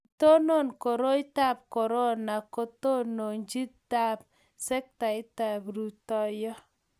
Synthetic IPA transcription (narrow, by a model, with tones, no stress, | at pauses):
to˦no˦˨nko˨ɾo˦i˦ta˦˨p̚kɔ˨ɾo˦na˨ko˦to˦no˨ɲd͡ʒi˦ta˦p̚ | sɛ˦k̚ta˨ɪ˦ta˨bɾu˨tɔ˦jɔ˦